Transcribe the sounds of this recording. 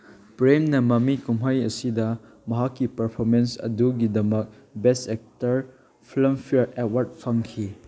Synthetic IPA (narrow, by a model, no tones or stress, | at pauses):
pɾemnɐmɐmikumɦajɐsidɐ | mɐɦakːipɐɾpʰoɾmensɐ̰duɡidɐmɐk̚ | besek̚tɐɾ | pʰlɐmpʰiet̚waɾt̚pʰɐŋkʰi